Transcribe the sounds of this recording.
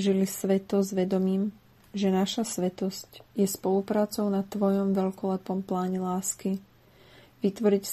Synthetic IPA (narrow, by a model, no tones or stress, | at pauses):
ʒilisʋɛt̪ɔzʋɛd̪ɔmiːm | ʒɛnaʃasʋɛt̪ɔscjɛspɔlupɾaːt͡sɔʊnat̪ʋɔjɔmʋɛʎkɔlɛpɔmplaːɲɛlaːski | ʋit̪ʋɔɾic